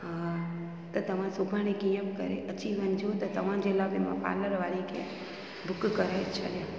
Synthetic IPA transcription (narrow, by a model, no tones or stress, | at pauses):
ɦã | t̪ot̪əmãsukãñikĩjə̃pkə̰ɾḛʔət͡ʃiʋənd͡ʒʰot̪ot̪əmãd͡ʒelabemã̰pa̰ləɾʋalikḛ | d̪ʱʊkkəɾajt͡ʃʰə̰lja